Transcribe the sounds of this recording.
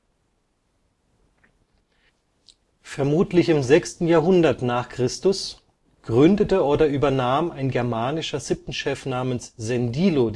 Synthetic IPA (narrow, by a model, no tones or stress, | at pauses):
fɛɐmuːtlɪçɪmzɛkstn̩jaːɐɦʊndɐtnaːχkʁ̥ɪstʊs | ɡ̥ʁʏndətəoːdɐʔyːbɐnaːmaɪnɡɛɐmaːnɪʃɐz̥ɪp̚tn̩ʃɛfnaːmənsz̥ɛndiːlo